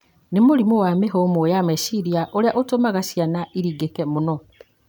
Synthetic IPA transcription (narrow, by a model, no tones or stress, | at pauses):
nemoɾimowameɦomojamesiɾiaʔoɾeaʔotomaɣasjanaʔiɾiɡekɛmonɔ